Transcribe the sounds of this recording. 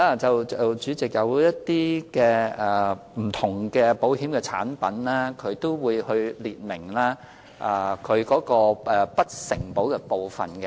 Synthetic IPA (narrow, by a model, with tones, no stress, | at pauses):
aː˧t͡sɐ˨wɐ˨wt͡ʃyː˨˧˥t͡sɪ˨k̚jɐ˨˧wjɐ˥t̚t̪iː˥kɛː˧ɛ˨m̩˨˩t̪ʰʊ˨˩ŋkɛː˧po˨˥whiː˨˥mkɛ˧t͡sʰa̰ː˨˥npɐ˨˥nlɛː˥kʰɵ˨˧ɥt̪o˥wwuː˨˧jhɵ˧liː˨t̚mɪ˨˩ŋlaː˥ | ʔa˧kʰɵ˨˧ɥkɔː˨˥kɔː˧ʔɛ˨pɐ˥t̚sɪ˨˩ŋpo˨˥wkɛ˧po˨wfɐ̰˨nkɛ˧